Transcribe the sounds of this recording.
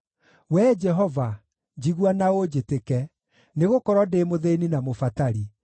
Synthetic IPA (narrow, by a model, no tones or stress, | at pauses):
wɛd͡ʒɛɦɔva | d͡ʑiɣwanaod͡ʑetekɛ | neɣokɔɾwɔdeːmoðeninamofataɾi